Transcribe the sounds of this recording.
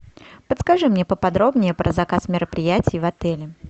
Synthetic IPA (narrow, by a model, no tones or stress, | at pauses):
pət̪skɐʐɨmnʲepəpɐd̪ɾo̞bnʲɪjəpɾʔə̰zɐkasmʲɪɾəpɾʲɪjætʲɪjvɐt̪ɛlʲɪ